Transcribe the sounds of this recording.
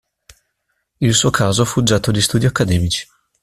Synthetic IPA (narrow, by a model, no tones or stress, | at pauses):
ilsuokʰaːzofud͡ʒːat̪olist̪uːd̪iakːad̪ɛmit͡ʃi̥